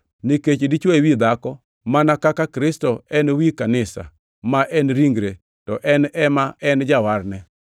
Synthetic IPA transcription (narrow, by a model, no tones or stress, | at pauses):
niket͡ʃdit͡ʃwawid̪akɔ | manakakakɾɪstɔɛnwikanɪsa̰ | maʔɛnɾiŋɡɾe | tɔʔɛnɛmaʔɛnd͡ʒawaɾnɛ